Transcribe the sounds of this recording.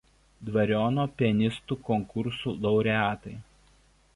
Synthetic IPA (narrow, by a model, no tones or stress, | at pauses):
d̪ʋɐɾʲɔːnoːpʲiɛnʲɪst̪uːkɔŋkʊɾsuːlˠɐʊɾʲɛaːt̪ɐɪ